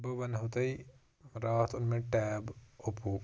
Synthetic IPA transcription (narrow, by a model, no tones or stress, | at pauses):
bɨʋɐnɦot̪ɐi | ɾaːt̪ʰʊnmẽʈɛːbopuː